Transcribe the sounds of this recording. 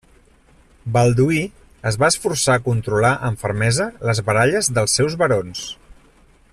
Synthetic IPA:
balˠd̪ui | əzβaəsfuɾsaːkunt̪ɾulaʔəɱfəɾmɛzələzβəɾaʎəzðəlˠsːɛwzβəɾons

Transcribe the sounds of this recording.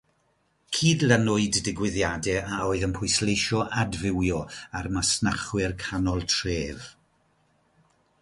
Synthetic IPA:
kʰiːdlˠənʊɨdːɪɡwɪðjadɛaoːɨðənpʰʊɨslˠejʃɔʔadvɪwjɔarmasnaχwɪrkʰanɔlˠtʰreːv

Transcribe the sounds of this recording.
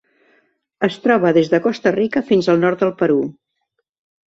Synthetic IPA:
əst̪ɾɔβ̞əðezðəkɔst̪ərikəfinzəlˠnɔɾt̪̚d̪əlˠpəɾu

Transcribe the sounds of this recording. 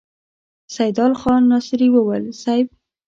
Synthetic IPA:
sajd̪ɑlxɑnːɑsɾiwəwəlsajb

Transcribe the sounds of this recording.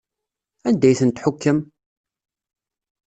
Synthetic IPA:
ænd̪æjθənt̪ħʊkːəm

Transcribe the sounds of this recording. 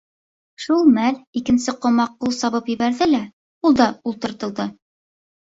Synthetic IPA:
ʃulˠmælikɘ̆nsɘqŏmɑqːulˠsɑβɤpjɘ̆βæɾðɘlæ | ulˠd̪ɑulˠt̪ɤ̆ɾt̪ɤ̆lˠd̪ɤ

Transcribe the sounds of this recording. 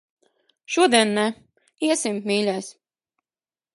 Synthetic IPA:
ʃuɔd̪iɛnːæ | iɛsimmiːlʲæːsʲ

